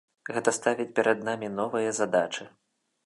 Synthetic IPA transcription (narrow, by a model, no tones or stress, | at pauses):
ɣɛt̪ɐst̪avʲit͡sʲpʲɛɾɐd̪namʲinɔvɨjɐzad̪at͡ʂɨ